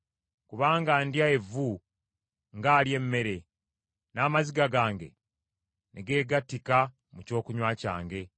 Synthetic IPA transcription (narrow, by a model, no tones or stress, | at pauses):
kuβaːŋɡandjae̞vu | ŋɡaːlje̞mːe̞ɾe̞ | naːmaziɡaɡaːŋɡe̞̰ | nʔeɡe̞ːɡatːika | muco̞ːkuɲwaːca̰ːŋɡe̞